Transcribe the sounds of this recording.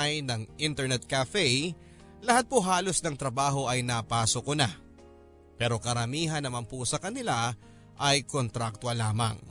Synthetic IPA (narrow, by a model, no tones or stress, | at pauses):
jnɐŋʔɪnt̪ɛɹnɛt̪̚kafɛj | lɐhat̪̚poɦaːlo̞snɐŋt̪ɾɐbaːɦo̞ʔɐjnɐpaːsokona | pɛːɾo̞kɐɾɐmiːɦɐnːɐmanposɐkɐnɪla | ʔɐjkont̪ɾak̚t̪wɐlaːmɐ̰ŋ